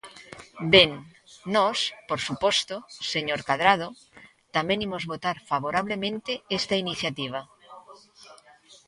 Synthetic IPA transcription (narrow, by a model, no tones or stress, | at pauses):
benː | ɔspoɾsupost̪oseɲoɾkað̞ɾað̞o | t̪amẽnimozβot̪aɾfaβ̞oɾaβ̞lemẽnt̪eest̪ainiθjat̪iβ̞a